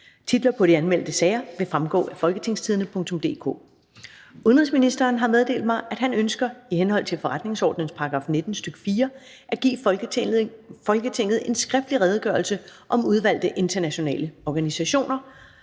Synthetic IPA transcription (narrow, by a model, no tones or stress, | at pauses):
t͡sʰid̥lɐpʰɒ̽ɾ̥iænmel̰d̥əsɛːɪɐʋe̝fʁamɡ̥ɔ̰ːæfɒ̽lɡ̥ət͡sʰe̝ŋ̰st͡sʰið̞ˠənəpʰɔ̽ŋ̰t͡sʰɔ̽md̥e̝̰ːkʰo̰ː | uðˠnʁiðˠsminisd̥ɐːnɦɑ̈með̞ˠde̝̰ːld̥̚mɑ̈ɪʔæd̥ɦænønsɡ̥ɐihenhɒ̽l̰t͡sʰe̝lfɒʁad̥ne̝ŋsɒ̰ːd̥nənspʰɑ̈ɡ̥ʁɑ̈ːfne̝d̥n̩sd̥øɡ̥ə̥fiːɐ | ʔæɡ̥ḭː | fɒ̽lɡ̥ət͡sʰe̝ŋ̰ð̞̩ˠe̝nsɡ̥ʁɛfd̥liʁɛːð̞ˠɡ̥ɶɐlsəʔɒ̽muð̞ˠʋæl̰d̥əʔe̝nd̥ʰɐnæɕo̝nɛ̰ːləɒɡ̥ænisæɕo̝̰ːnɐ